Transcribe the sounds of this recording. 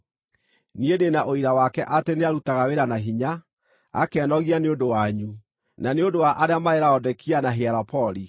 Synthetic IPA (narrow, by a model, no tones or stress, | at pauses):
niedenaʔoiɾawakɛʔateneaɾutaɣaweɾanaɦiɲa̰ː | kɛnɔɣianeondowaɲu | naneondowaʔaɾeamaeɾaɔdɛkianaɦeaɾapɔɾi